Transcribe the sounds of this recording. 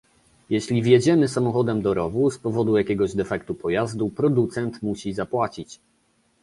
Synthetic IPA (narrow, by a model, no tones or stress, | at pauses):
jɛɕlʲivʲjed͡ʑɛmɘsamɔxɔd̪ɛmd̪ɔɾɔvuspɔvɔd̪ujakʲɛɡɔʑd̪ɛfɛkt̪upɔjazd̪upɾɔd̪ut̪sɛnt̪muɕizapwat͡ɕit͡ɕ